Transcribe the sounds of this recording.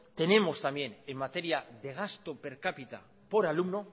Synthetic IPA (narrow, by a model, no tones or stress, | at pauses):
t̪e̞ne̞mo̞st̪amje̞nemːat̪eɾiaðe̞ɣ̞ast̪o̞pe̞ɾkapit̪a̰ | po̞ɾalumno̞